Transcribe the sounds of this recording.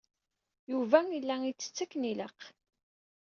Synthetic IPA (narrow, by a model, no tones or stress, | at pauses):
juvæilːæit͡sːə̥t͡sːækːniləq